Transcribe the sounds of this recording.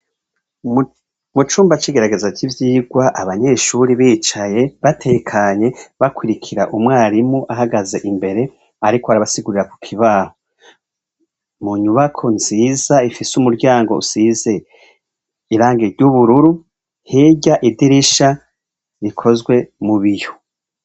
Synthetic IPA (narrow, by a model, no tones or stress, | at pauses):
mut͡ʃuːmbat͡ʃiɡe̞ɾaɡe̞zakivjiːɡwaʔaβaɲe̞ːʃuɾiβiːt͡ʃaje̞βatʰekʰaɲe̞βakwiɾikʰiɾaʔumwaːɾimuʔaɦaɡaze̞ʔimbe̞ɾe̞ | aɾikoaɾaβasiɡuɾiɾaku̥kʰiβaho | muɲuβakʰo̞nz̥iːzaifisumuɾɟaːŋɡo̞ṵnz̥iːze̞ | iɾaːŋɡeɾɟuβuɾuɾu | heɟaʔidiɾiʃa | ɾikʰo̞zɡwe̞muβijo̥